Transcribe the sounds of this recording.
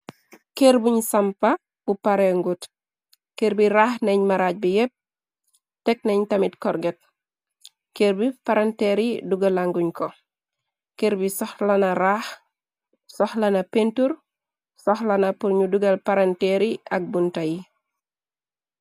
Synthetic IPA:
keɾbuɲsampa | b̥upaɾeŋɡut | keɾbiɾaːhneɲmaɾaːc̚bijep̚ | tɛk̚nɛɲtɐmitkɔɾɡet̚ | keɾbipaɾanteɾiduɡɐlaŋɡuɲkɔ | keɾbisɔxlɐnaɾaːx | sɔxlɐnɐpentuɾ | sɔxlɐnɐpuɾɲuduɡɐlpaɾanteɾiʔɐ̰k̚buntaji

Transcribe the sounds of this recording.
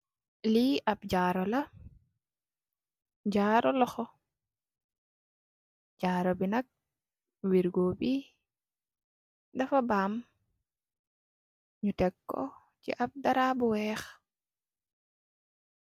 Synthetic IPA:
liap̚ɟaːɾɔlɐ | ɟaːɾɔlɔxɔ | ɟaːɾɔbinɐk̚ | wiɾɡobi | dɐfabaːm | ɲutɛkːɔ̰ | cḭʔap̚daɾabuwɛːx

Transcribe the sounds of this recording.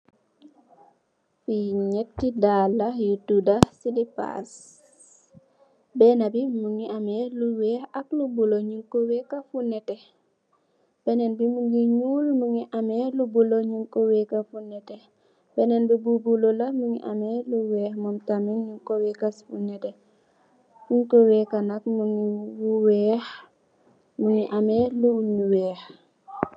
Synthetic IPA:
fiɲɛtːidalːajutudasidipa̰s | bɛnabimuŋiamɛluwɛhaklubuloɲuŋkowɛkafunɛtɛ | b̥ɛnɛnbimuɡiɲuːlmuŋiʔamɛlubuloɲuŋkowɛkafunɛtɛ | b̥ɛnɛnbububulolɐmuŋḭʔamɛluwɛːxmɔmtamiŋɲuŋkowɛːkasfunɛtɛ | ɲuŋkowɛːkanak̚muŋiwuwɛːx | muŋiʔamɛluɲuwɛːx

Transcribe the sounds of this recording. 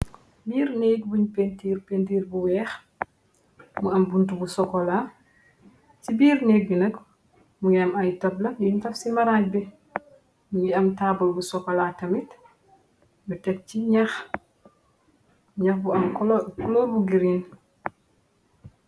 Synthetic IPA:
biːɾnɛːk̚buɲpentiːɾpentiːɾbuwɛːx | muɐmbuntubusɔkːɔla | cibiːrneːk̚binɐk | muŋɐmɐjtɐplɐjuntɐfsimɐɾaːc̚bɛ | muŋiɐmtaːbɐlbusɔkːɔlaːtɐmit | jutɛk̚ciɲɐx | ɲɐxbuɐmkɔkɔlɔːrbuɡiɾiːn

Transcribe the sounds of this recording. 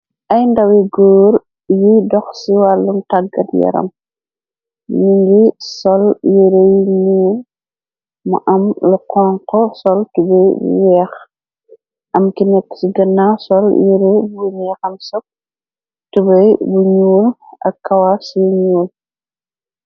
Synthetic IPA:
ʔɐjndɐwiɡoːɾ | jidɔxsiwalːuntaɡɐ̰tjɛ̰ɾɐ̰m | niŋɡisɔljiɾejiɲuːl | mɐ̰ʔɐmluqɔŋqɔsɔltubɐj̰wɛːx | ʔɐmkinɛkːsiɡɐnːasɔljiɾebunɛːxɐmsɔp̚ | tubɐjbuɲuːlʔɐ̰kːɐwasiɲuːl

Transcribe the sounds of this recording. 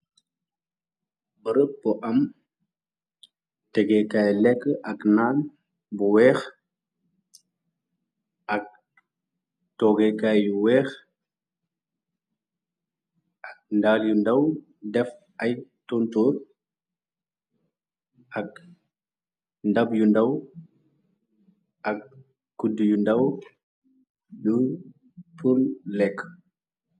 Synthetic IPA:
bəɾəpːɔʔɐm | tɛɡɛkajlɛkːəʔɐknaːn | buwɛːx | ɐk̚ | tɔɡekajjuwɛːx | ʔak̚ndaːljundaw | dɛf | ʔajtɔntɔɾ | ʔak̚ | ndabjundaw | ʔak̚ː | udijundaw | ɗu | tullɛkː

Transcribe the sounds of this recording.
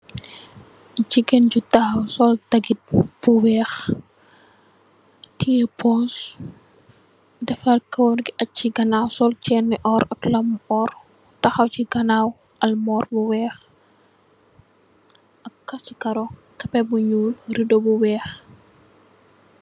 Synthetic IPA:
d͡ʒiɡɛnɟutɐxɐwsɔltɐɡit̚b̥uwɛːx | tijɛpʰɔs | dɛfɐlkɐwnɡiʔɐt͡ʃːiɡɐnaːwsɔlt͡ʃɛːnːɛʔɔɾɐklɐmɔr | tɐxɐwciɡɐnaw | ɐlmɔːrbuwɛːx | ʔɐkːɐsukɐɾɔ | kɐpɛbuɲuːlɾidɔbuwɛːx

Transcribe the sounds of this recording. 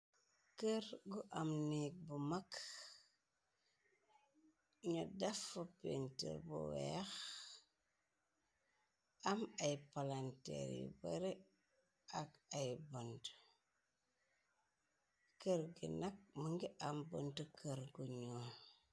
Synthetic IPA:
kəɾɡuʔamnik̚bumak | ɲodafːopḛntḭɾbṵwḛx | amajpalantḛɾḭba̰ɾe | aɡajbont | kəɾɡḭnak̚məŋɡiʔambontukʰəɾɡuɲo

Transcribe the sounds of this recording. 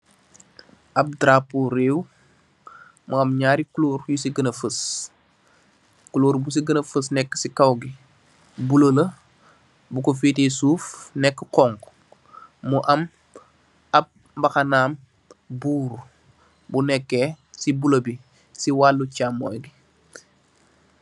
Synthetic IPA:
ɐp̚dɾapuɾeːw | muɐmɲaːɾikuloːɾjusiɡənɐfəs | kuloːɾbus̬iɡənɐfəsnɛkːə̥sikɐwɡi | buləlɐ | bukɔfiːtisuːfnɛkːəqɔŋɡ | muʔɐm | ɐp̚ | bɐxɐnaːm | buːɾ | bunɛkːɛː | sibuləbi | siwalːucamːɔːjɡi

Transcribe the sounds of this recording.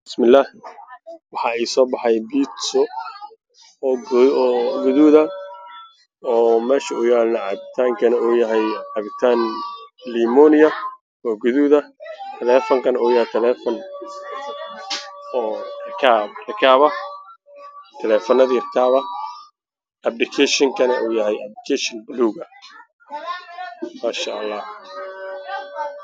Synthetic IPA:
bbɪsmɪlːaːh | wɑħɑːiːsɔːbɑħɑjbiːt̪sɔ | ɡʊðuðɐ | ɔːmɛːʃɐʊjaːlnɐʕɑbɪt̪ʰaːŋkʰɐnɐuːjɐɦɛjʕɑβɪt̪ʰaːnliːmɔːnɪjɐ | ɔːɡʊðuðɐt̪ʰɛlɛːfɔŋkʰɐnɐuːjɐhɛjt̪ʰɐlɛːfɔn | ɔːrɐkʰaːbrɐkʰaːβɐ | t̪ʰɛlɛːfɔnɐðirkʰaːβɐ | ʔɐblɪkʰɛʃɪŋkʰɐnɐʔṵːjɐɦɛjɐb̚lɪkʰɛʃɪnbʊluːɣɐ | maːʃɐʔɐlːɑːh

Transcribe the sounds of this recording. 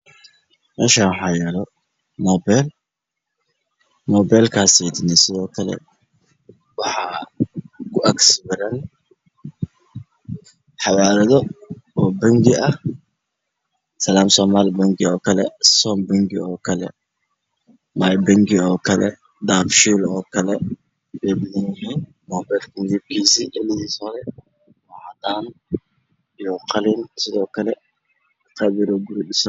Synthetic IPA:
mɛːʃaːwħɑjɛlɔ | mɔːbɛl | mɔːbɛːlkʰaːsɛd̪ɪnɛsɪðɔːkʰɐlɛ̰ | wɑħɑː | kʰʊʔɐɡsbɐɾɐn | ħɑwaːɾɐðɔɔːbɐŋɡɪɐh | sɐlaːmsɔːmaːlbɐŋɡɪɔːkʰɐlɛ̰sɔːmbɐŋɡɪ̰ɔːkʰɐlɛ̰ | maːjbɐŋɡɪɔːkʰɐlɛ̰ | d̪aːfʃiːlɔːkʰɐlɛ | bɛːbɪðɐnjɪɦiːn | mɔːbɛːd̪kʰɐmɪðib̚kʰiːsiːʔɛlɪðiːshɔðɛ | mɔʕɑd̪aːn | ijɔqʰɑliːnsɪðɔːkʰɐlɛ | qʰɑβɪɾɔːɡʊɾɪɗɪsɐ

